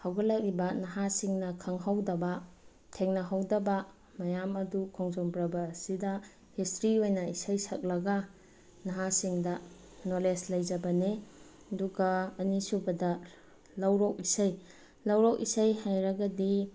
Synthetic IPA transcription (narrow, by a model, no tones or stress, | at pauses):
hawɡɐlɐk̚ɾibɐnɐɦasiŋnɐkʰɐŋɦawdɐbɐ | tʰeŋnɐɦawdɐbɐ | mɐjamɐdukʰoŋzombɾɐbɐːsidɐ | histɾiojnɐisajsʰɐk̚lɐɡɐ | nɐɦasiŋdɐ | noleslɐjd͡ʒɐbɐne | ɐduɡaːnisubɐdɐ | lɐwɾɔk̚isaj | lɐwɾɔk̚isajhajɾɐɡɐdi